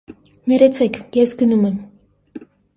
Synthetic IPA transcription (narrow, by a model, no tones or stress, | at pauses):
mɛɾɛt͡sʰɛkʰjɛsɡənumɛm